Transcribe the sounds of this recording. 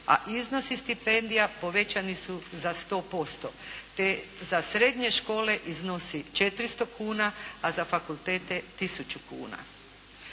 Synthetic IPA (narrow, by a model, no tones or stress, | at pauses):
a̰ʔizno̞sist̪ipe̞nd̪ijapo̞ʋe̞t͡ɕanisuzast̪o̞ːpo̞st̪o̞t̪ezasɾed̪ɲe̞ʃko̞ːle̞ʔizno̞sit͡ʃe̞t̪ɾist̪o̞kʰuːnaazafakulˠt̪e̞ːt̪e̞t̪isut͡ʃukṵːna̰